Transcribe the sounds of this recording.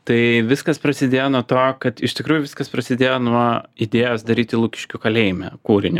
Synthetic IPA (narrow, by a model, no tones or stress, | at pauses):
t̪ɐɪʋʲɪskɐspɾɐsʲɪd̪ʲeːjonuɔt̪oːkɐt̪ɪʃt̪ʲɪkɾuːjʊʋʲɪskɐspɾɐsʲɪd̪ʲeːjoːnuɔɪd̪ʲeːjoːsd̪ɐɾʲiːt̪ʲɪlˠuːkʲɪ̥ʃʲkʲʊkɐlʲɛɪmʲɛ̰kuːɾʲɪnʲɪ